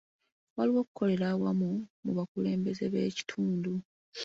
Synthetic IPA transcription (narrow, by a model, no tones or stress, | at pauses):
waliwo̞ːku̥kʰo̞le̞ɾawamumuβakule̞ːmbe̞ze̞βe̞ːci̥tʰuːndu